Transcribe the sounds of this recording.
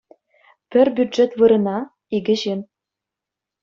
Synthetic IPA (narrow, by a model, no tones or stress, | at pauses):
pʲɘ̆rbʲyd̪ʐet̪ʋɯɾɤ̆nɑ | iɡʲɘ̆ʑem